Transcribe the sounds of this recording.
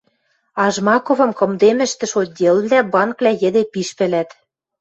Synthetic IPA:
ɑʒmɑkovɤ̆mkɤ̆md̪emɘ̆ʃt̪ɘ̆ʃod̚ʲelβlæbɑnkβlʲæjɘ̆d̪epiʃpɘ̆læt̪

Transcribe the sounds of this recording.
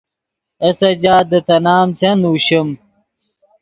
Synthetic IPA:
ɐsɐd͡ʑaːd̪ət̪ɐnaːmt͡ɕɐnuːɕəm

